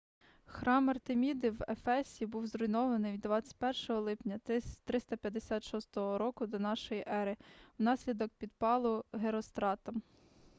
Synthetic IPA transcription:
xɾɑmɐrt̪emʲid̪iwefɛsʲibuwzɾɔjnɔʋɐnɪjʋʲid̪ːʋɑt͡sʲːɐ̥t̚ʲpɛrʃɔɦɔlˠɪpnʲɐt̪ɾɪst̪ɐpʲjɐd̪esʲɑt̪ʃɔst̪ɔɦɔɾɔkʊd̪ɔnɑʃɔjiʔɛɾɪwnɑsʲlʲid̪ɔk̚pʲid̪pɑlˠʊɦeɾɔst̪ɾɑt̪ɐm

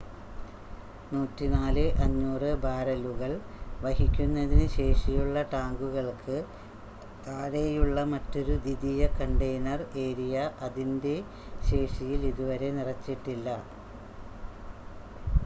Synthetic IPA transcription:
nuːtːinaːlɨʔɐɲːuːrɨbaːɾɐluɣɐɭ | ʋɐɦikʲːunːɐðinɨɕe̞ːʂijuɭːɐʈaːŋɡuɣɐɭkʰɨ | t̪aːɽejuɭːɐmɐtːo̞ɾud̪iðijɐkɐɳɖejnɐre̞ːɾijɐʔɐðinde̞ | ɕe̞ːʂijiliðuʋɐɾe̞nirɐt͡ɕːiʈːilːɐ

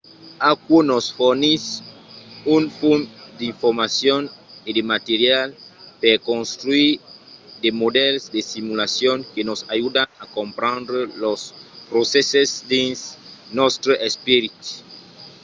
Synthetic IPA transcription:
akwonosfoɾnis | unfund̪iɱfoɾmasjonedemat̪eɾjalpeɾkõnst̪ɾuiɾd̪emodelsd̪esimulasjoŋkenosajudaŋakompɾãnd̪ɾelospɾosesesd̪ĩnsnost̪ɾoʔespiɾit̪

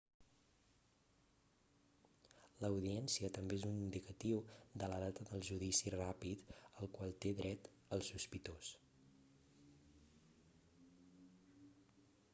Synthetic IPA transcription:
ləwðiɛnsiət̪əmbeezunind̪ikət̪iwd̪ələðat̪əðəlˠʒuðisirapit̪əlˠkwalˠt̪eðɾɛt̪ | əlˠsːuspit̪os

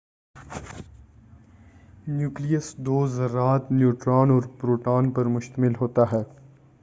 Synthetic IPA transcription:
njuːklijəsd̪oːzɾaːt̪njuːʈɾaːnɔːɾpɾoːʈaːnpɐɾmʊʃt̪əmɪlɦoːt̪aɦɛː

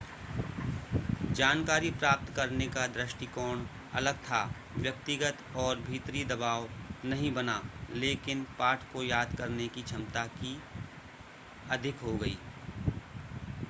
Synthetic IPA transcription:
d͡ʒaːnkaːɾipɾaːp̚t̪kɐɾnekad̪ɾɪʃʈikɔːɳ | ɐ̰ləɡ̚t̪ʰa | ʋjɐk̚t̪ɪɡət̪ɔːɾbʱiːt̪ɾid̪ɐbaːʋnɐɦĩbɐnaleːkɪnpaːʈʰkojaːd̪kɐɾnekit͡ʃʰɐmt̪aki | ɐd̪ʱɪkɦoɡɐḭː

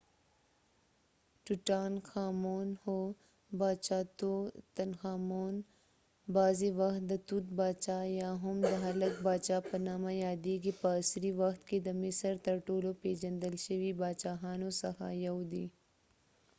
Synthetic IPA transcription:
ʈuʈaːnxaːmoːnho | baːt͡ʃaːt̪ot̪ɐnxaːmoːn | baːziʋɐxt̪̚d̪ɐt̪ut̪baːt͡ʃaːjaːɦʊmd̪ɐɦɐlɐk̚baːt͡ʃaːpɐnaːmãjaːd̪iːɡipaːsɾiʋɐxt̪ked̪ɐmɪsɐɾt̪ɐɾʈoːlopeːd͡ʒɐ̃nd̪əlʃəʋibaːt͡ʃaːɦaːnosɐxa̰ːjɐwd̪i

